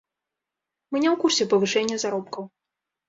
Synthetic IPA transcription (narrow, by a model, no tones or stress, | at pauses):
mnʲɛwkursʲɛpɐvɨʂɛnʲːɐzaɾɔpkɐw